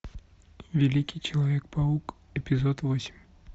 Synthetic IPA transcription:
vʲɪlʲikʲɪjt͡ɕɪlˠɐvʲek̚pɐuk | ɪpʲɪzot̪vosʲɪ̥mʲ

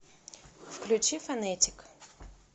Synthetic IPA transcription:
fklʲʉt͡ɕifɐnɛtʲɪ̥k

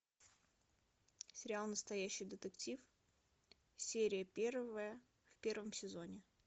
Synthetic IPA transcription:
sʲɪɾʲɪalˠnəst̪ɐjæɕːɪjd̪ət̪ɨktʲif | sʲeɾʲɪjəpʲervəjə | fpʲe̞rvəmsʲɪzo̞nʲɪ

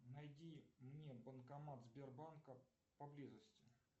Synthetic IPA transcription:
nɐjdʲimnʲebənkɐmat̪zbʲerbankə | pɐblʲizəsʲtʲɪ

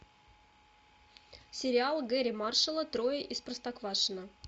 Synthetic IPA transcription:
sʲɪɾʲɪalˠɡɛɾʲɪmarʂəlˠət̪ɾojəʔisprəst̪akvaʂɨnə

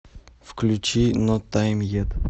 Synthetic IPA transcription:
fklʲut͡ʃʰinot̪ʰːajmjet̪

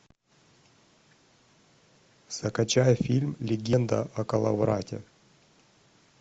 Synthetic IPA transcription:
sɐkɐt͡ɕajəfʲilʲmlʲɪɡʲend̪ɐ̰ʔɐkɐlˠɐ̰vɾatʲḛ

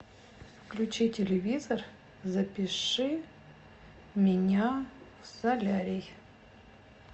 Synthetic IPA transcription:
fklʲʉt͡ɕitʲɪlʲɪvʲizər | zɐpʲɪʂɨ | mʲɪnʲafsɐlʲaɾʲɪj

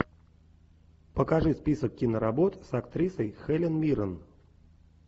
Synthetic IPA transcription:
pəkɐʐɨspʲisəkːʲinəɾɐbot̪sɐkt̪ɾʲisəjxɛlʲɪnmʲiɾən

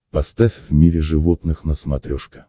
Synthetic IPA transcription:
pɐst̪afʲvmʲiɾʲɪʐɨvot̪nɨxnəsmɐt̪ɾʲoʂkə̥

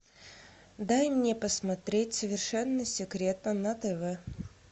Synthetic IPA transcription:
d̪ajmnʲepəsmɐt̪ɾʲetʲsəvʲɪrʂɛnːəsʲɪkɾʲe̞t̪nənɐt̪ɛvɛ

